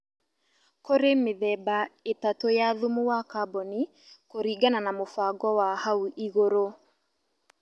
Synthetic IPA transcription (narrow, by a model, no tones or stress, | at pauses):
koɾemeðɛbaetatojaðumuwakabɔni | koɾiːɡananamofaɡɔwahauʔiɣoɾo